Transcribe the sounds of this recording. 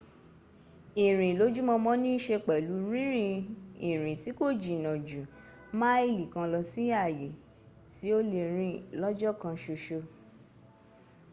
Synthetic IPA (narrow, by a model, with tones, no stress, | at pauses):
i˨ɾ̃ĩ˨lo˨˦d͡ʒu˦mɔ̃˧mɔ̃˦nĩ˦ʃe˧k͡pɛ˨lu˨˦ɾĩ˦ɾĩ˧i˨ɾ̃ĩ˨ti˨˦ko˦˨d͡ʒi˨nɔ̃˨d͡ʒu˨ | mã˦i˦˨li˨kã˧lɔ˧si˦a˦˨je˨ | ti˨˦o˦le˨ɾ̃ĩ˧lɔ˦d͡ʒɔ˦kã˧ʃo˧ʃo˧